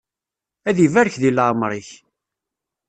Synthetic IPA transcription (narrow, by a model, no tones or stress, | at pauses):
æðivæɾçðilʕmɾˤiç